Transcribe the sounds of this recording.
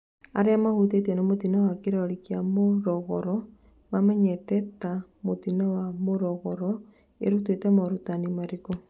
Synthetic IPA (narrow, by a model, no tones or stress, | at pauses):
aɾeamahut̬et̬enomotinawakiɾaoɾikjamoɾɔɣɔɾɔ | mamɛɲɛtɛtamotinawamoɾɔɣɔɾɔ | ḛɾutwetemoɾutanimaɾiko